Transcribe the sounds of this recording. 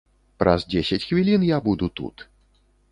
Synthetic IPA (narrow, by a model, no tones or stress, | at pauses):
pɾʔɐ̰zd͡zʲesʲɐt͡sʲxvʲilʲinjabud̪ut̪ṵt̪